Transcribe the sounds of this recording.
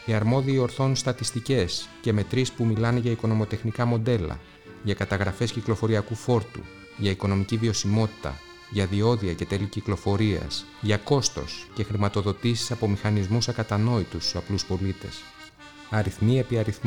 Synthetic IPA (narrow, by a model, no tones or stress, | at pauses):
iɐɾmo̞ðiio̞ɾθo̞nst̪ɐt̪ist̪ice̞sce̞me̞t̪ɾispumilɐneʝɐiko̞no̞mo̞t̪e̞xnikɐmo̞nd̪e̞lɐ̰ | ʝɐkɐt̪ɐɣɾɐfe̞sciklo̞fo̞ɾiɐkufo̞ɾt̪ṵ | ʝɐiko̞no̞miciðio̞simo̞t̪i̥t̪ɐ̰ | ʝɐðio̞ðiɐce̞t̪e̞liciklo̞fo̞ɾiɐ̰s | ʝɐko̞st̪o̞̰sce̞xɾimɐt̪o̞ðo̞t̪isi̥sɐpo̞mixɐnizmusɐkɐt̪ɐno̞it̪usɐpluspo̞lit̪e̞̰s | ɐɾiθmie̞piɐɾiθm